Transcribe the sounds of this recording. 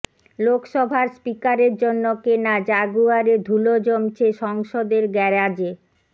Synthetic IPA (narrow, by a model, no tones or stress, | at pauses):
lokʃɔbʱaɾspikaɾeɾd͡ʑonːokenad͡ʑaɡuaɾed̪ʱulod͡ʑomt͡ɕʰeʃɔŋʃod̪eɾɡɛɾad͡ʑe